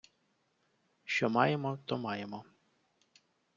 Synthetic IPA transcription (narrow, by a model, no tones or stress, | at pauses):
ʃt͡ʃɔmɑjemɔt̪ɔmɑjemɔ